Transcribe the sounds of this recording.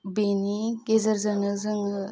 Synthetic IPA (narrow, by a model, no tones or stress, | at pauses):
benikezɐɾzɐnɯzɯŋ